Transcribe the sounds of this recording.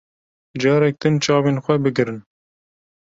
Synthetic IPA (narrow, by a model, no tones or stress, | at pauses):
d͡ʒɑːɾɛk̚d̪ɨnt͡ʃɑːveːnxʷɛbɨɡɨɾɨn